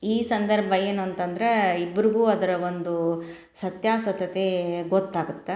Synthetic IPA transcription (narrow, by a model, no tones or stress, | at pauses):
iːsɐnd̪ɐɾbʱɐjeːnuɐnt̪ɐnd̪ɐɾeibːɐɾiɡuːɐd̪ɐɾɐʋond̪u | sɐt̪jaːsɐt̪ɐt̪eɡot̪ːaːɡut̪ːe